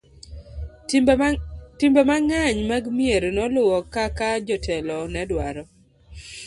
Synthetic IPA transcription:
tɪmbɔmaŋaɲmaɡmieɾnɔlʊwɔkakad͡ʒɔtʰɛlɔnɛdwaɾɔ

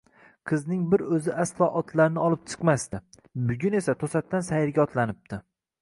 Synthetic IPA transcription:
qʰɨznɪŋbɪɾɵzɪʔaslˠɒʔɒt̪ʰlaɾɪnɪɒlˠɪp̚t͡ʃʰɨ̥qmast̪ɪ | bʊɡʲʊne̞sat̪ʰosat̪ʰːansajɪɾɡʲaɒt̪lanɪp̚t̪ʰɪ

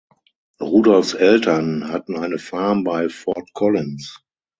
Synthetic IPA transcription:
ʁuːdɔlfsɛltʰɐnhatn̩aɪnəfaɐmbaɪfɔtkʰɔlɪ̃ns

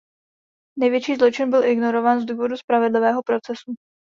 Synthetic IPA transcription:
nɛjvjɛt͡ʃiːzlo̞t͡ʃɪnbɪlʔɪɡno̞ɾo̞vaːnzduːvo̞duspɾavɪdlɪvɛːɦo̞pɾo̞t͡sɛsu

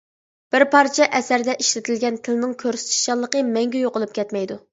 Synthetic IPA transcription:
b̥ɪɾpʰɑɾt͡ʃʰɛʔɛsæɾd̪ɛʔiʃlɪt̪ʰɪlɡʲɛnt̪ʰɪlɪnɪŋkʲʰøɾsɪ̥t̪ʰi̥ʃɑlˠːəqəmɛŋɡʲɛjoqʊlˠup̚kʲɛt̪mɛjd̪u

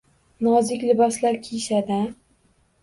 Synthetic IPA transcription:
nɒzɪkʲlɪbaslaɾkʲʰejʃad̪a

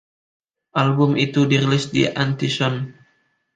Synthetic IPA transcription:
ʔalbʊmit̪udiɾilɪsdḭʔant̪isɔn

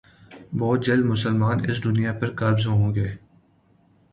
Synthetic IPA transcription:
bɔːt̪̚d͡ʒɐld̪mʊsəlmaːnɪ̰s̬d̪ʊnijapɐɾkaːbzõɦõːɡeː

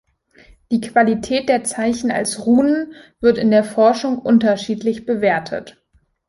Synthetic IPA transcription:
d̥iːkv̥alitʰɛːt̚d̥eːɐt͡saɪçn̩a̰lsʁuːnən | v̥ɪɐtɪndeːɐfɔɐʃʊŋʔʊntɐʃiːtlɪçb̥əveːɐtʰə̰t

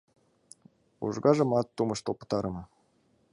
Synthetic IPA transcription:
ṵʐɡɑʒɤ̆mɑt̪ːumɤ̆ʃt̪olˠpɤ̥̆t̪ɑɾɤ̆mɤ

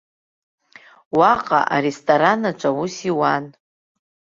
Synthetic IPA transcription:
waqʼa̰ʔa̰ɾestʰʼoɾanat͡ʃʷʼawusiwan

